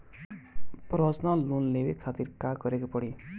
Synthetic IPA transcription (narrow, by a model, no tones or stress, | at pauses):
prʌsnʌlunlebekʰːat̪irkaɡʌɾekopʌɽi